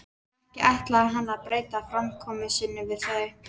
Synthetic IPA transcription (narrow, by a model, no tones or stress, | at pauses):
ɛhcɪʔajht̪laaɦanːaðpɾeːjt̪afɾamkʰɔːmɪsɪnːɪvɪðθœ